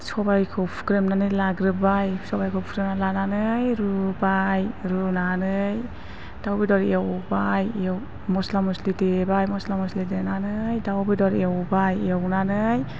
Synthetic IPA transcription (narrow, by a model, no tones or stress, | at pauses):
sɔbajkʰɯwpʰkɾemnanɯlaɡɾɯbajsɔbajkʰɯwpʰɾɯnalananɯjɾubajɾunanɯj | dawbidɔɾewbajw | mɔslamuslidebajmɔslamuslidenanɯjdawbidɔɾewbajiawnanɯj